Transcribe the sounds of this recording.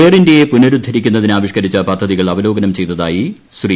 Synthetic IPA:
eːrindejepunɐɾud̪ʱːɐɾikʲːunːɐðinaːʋiʂkɐɾit͡ɕːɐpɐd̪ʱːɐðiɣɐɭɐʋɐlo̞ːɡɐnɐmt͡ɕe̞jt̪ɐðaːji | sri

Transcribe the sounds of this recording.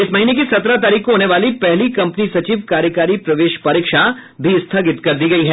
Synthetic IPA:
ɪsmɐɦiːnekisɐt̪ɾat̪̬aːɾiːkkoɦoːneʋaːlipɛɦlikɐ̃mpnisɐt͡ʃiːʋkaːɾjəkaːɾipɾɐʋeːʃpɐɾɪːkʃabʱist̪ʰaɡɪt̪kɐɾd̪iɡɐiɦɛː

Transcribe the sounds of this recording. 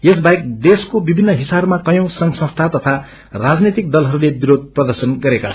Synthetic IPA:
jesbajek̚d̪eskobibʱinːʌɦisabmakʌjõsʌŋsʌ̃st̪ʰat̪ʌt̪ʰa | rad͡znet̪ik̚d̪ʌlɦʌɾulebiɾod̪̚ʱprʌd̪ʌrsʌnɡʌɾekaʌ

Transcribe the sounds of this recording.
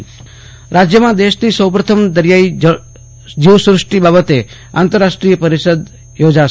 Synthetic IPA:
ɾad͡ʒjəmãd̪eʃnisəwpɾət̪ʰəmd̪əɾjai | d͡ʒiʋsuɾəʂʈibabət̪e | a̰ːnt̪əɾaʃʈɾijəpəɾiʃəd̪ | jod͡ʒaʃ

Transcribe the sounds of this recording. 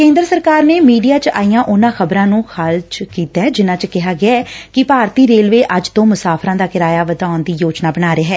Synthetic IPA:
kẽːnd̪ɾəsəɾkaːɾneːmiːɖijaːt͡ʃa̰ːijãːʔʊnãːxəbɾãːnũːxʰaːlt͡ʃkiːt̪aːɛd͡ʒɪnãːt͡ʃkɪɦaːɡɪaːɛːkɪpaːɾt̪iːɾeːlʋeːʔəd͡ʒt̪õːmʊsaːpʰɾãːd̪aːkɪɾaːjaːʋəd̪aːnd̪iːjoːt͡ʃnaːbəñaːɾeːɦɛː

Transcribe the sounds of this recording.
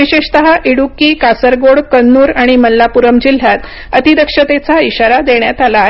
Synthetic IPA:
ʋiɕeʂt̪əɦaʔiɽukːiːkasəɾɡoɽkənːuːɾaɽ̃iməlːapuɾəmd͡ʑil̤jat̪ | ət̪id̪əkʂət̪et͡saiɕaɾad̪eɳjat̪alaɦ

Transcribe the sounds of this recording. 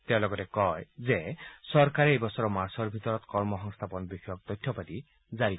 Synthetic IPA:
t̪ẽlɔɡɔtekɔjzesɔɾkaɾeejbɔsɔɾɔmaɾsɔɹbʱit̪ɔɾɔt̪kɔɹmɔɦɔŋst̪ʰapɔnbixjɔk̚d̪ɔjt̪ʰːjɔpad̪i | zaɾi

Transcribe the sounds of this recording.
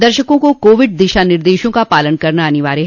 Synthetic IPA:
d̪ɐɾʃəkõkokoːʋɪɖ̚d̪ɪʃanɪɾd̪eːʃõkapaːlənkɐɾnaɐniʋaːɾeɦ

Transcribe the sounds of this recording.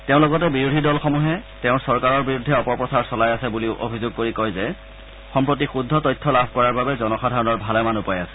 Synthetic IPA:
teʊ̃loɡɔtɛbiɹudʱidɔlxɔmuɦɛtɛʊ̃sɔɹkaɹɔɹbiɹudʱːɛɔpɔɹpɹɔsaɹsɔlajasɛbuliʊʔo̰bʱizoɡ̚koɹikojzɛ | xɔmpɹot̬ixudʱːɔtɔjtʰːɔlabʱkɔɹaɹbabɛzɔnɔxadʱaɹɔnɔɹbʱalɛmanupajasɛ̥

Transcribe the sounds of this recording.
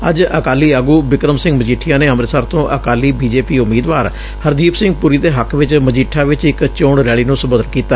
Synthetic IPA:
ə̰d͡ʒəkaːliːaːɡuːbɪkɾəmsɪ̃ŋɡməd͡ʒiːʈʰijãːneːɦəmɾeːsaːɾt̪õːʔəkaːliːbiːd͡ʒeːpiːʊmːiːd̪ʋaːɾ | həɾd̪iːpsɪ̃ŋɡ̚puːɾiːt̪eːɦəkʰʋɪt͡ʃməd͡ʒiːʈʰːaːʋɪt͡ʃɪkt͡ʃoːɳɾɛːɭiːnũːsəbəd̪ənkiːt̪aː

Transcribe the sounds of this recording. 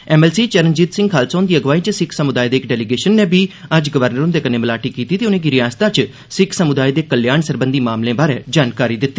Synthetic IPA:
ɛːmɛːlsiːt͡ʃəɾənd͡ʒiːt̪sɪ̃ŋɡkʰaːlsõːnd̪iːəɡʋaːiːt͡ʃsɪkʰsəmʊd̪aːid̪eːkɖɛːliɡeːʃənːẽːbʱiːəd͡ʒɡəʋəɾnəɾʊmd̪eːkənẽːməlaːʈiːkiːt̪iːt̪eːʊnẽːɡɪɾiaːst̪ãːt͡ʃ | sɪkʰsəmʊd̪aːid̪eːkəljaːnsəɾbənd̪iːmaːmlẽːbaːɾeːd͡ʒaːnkaːɾiːd̪ɪt̪ːiː

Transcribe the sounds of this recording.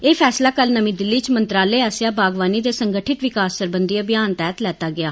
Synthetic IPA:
eːpʰɛːslaːkəlnəmĩːd̪ɪlːiːt͡ʃmənt̪ɾaːleːaːsɪjaːbaːɡʋaːniːd̪eːsəŋɡəʈʰɪʈ̪ʋɪkaːsːəɾbənd̪iːabɪjaːnt̪ɛːt̪lɛːt̪aːɡɪaː

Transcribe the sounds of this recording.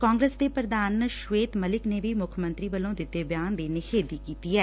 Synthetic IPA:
kãːŋɡɾeːsd̪epɾəd̪aːnʃʋeːt̪məlɪknebʱiːmʊkʰmə̃nt̪ɾiːbəlõːd̪ɪt̪ːebjaːnd̪eːnɪkʰeːd̪iːkiːt̪iːɦɛː

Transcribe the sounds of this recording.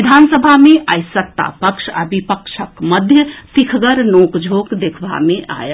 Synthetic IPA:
id̪ʱansəbʱameʔajsət̪ːa̰pəkʃa̰bipəkʃʰəkməd̪ʱjət̪ikʰɡəɾnokd͡ʒʱokd̪ekʰba̰meʔa̰jə

